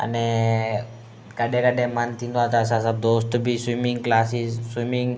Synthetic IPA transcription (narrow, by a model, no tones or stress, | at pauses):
a̰ne | kaɖekaɖemant̪ind̪at̪asasab̚d̪osʈubiswimiŋklasisswimiŋ